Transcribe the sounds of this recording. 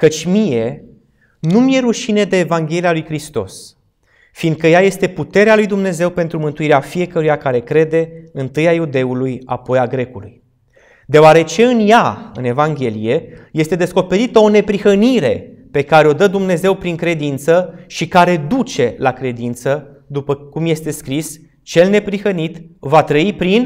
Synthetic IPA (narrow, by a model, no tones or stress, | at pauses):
kət͡ʃʲmije̞ | numje̞ɾuʃine̞d̪e̞ːvaŋɡʲe̞lialujkɾist̪o̞̰s | fiːnd̪̚kəjaje̞st̪e̞put̪e̞ɾealujd̪umne̞ze̞wpe̞nt̪ɾumɨnt̪uiɾeafije̞kəɾujakaɾe̞kɾe̞d̪e̞ɨnt̪ɨjajud̪e̞uluja̰po̞jaɡɾe̞kulṵj | d̪eoaɾe̞t͡ʃe̞ɨnjaɨne̞vaŋɡʲe̞lije̞je̞st̪e̞d̪e̞sko̞pe̞ɾit̪əo̞ne̞pɾixəniɾe̞pe̞kaɾeo̞d̪əd̪umne̞ze̞wpɾiŋkɾe̞d̪int̪səʃikaɾe̞d̪ut͡ʃe̞lakɾe̞d̪int̪sə | d̪upəkumje̞st̪e̞skɾis | t͡ʃe̞lne̞pɾixənit̪vat̪ɾəipɾin